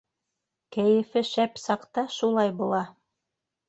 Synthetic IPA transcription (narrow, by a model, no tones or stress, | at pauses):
kæjɘ̆fɘʃæpsɑqt̪ɑʃulˠɑjbulˠɑ